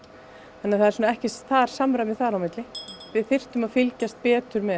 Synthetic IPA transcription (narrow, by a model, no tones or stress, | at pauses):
ɛnːaθaðɛɾsuːnaɛhcɪsθaɾ̥samɾamɪθaɾawmɪt̪lɪvɪðθɪr̥t̪ʏmaðfɪlcast̪̚pɛːt̪ʏɾmɛ